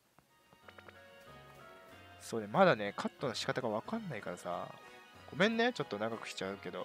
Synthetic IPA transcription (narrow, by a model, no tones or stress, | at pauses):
so̞ːnemad̪ane̞kʰat̪ːo̞noɕi̥kat̪aɡaβakãnːaikaɾasa̰ɡ̥o̞mẽ̞nːet͡ɕo̞t̪ːo̞naɡakɯ̟̥ɕi̥t͡ɕaɯ̟ke̞d̪o̞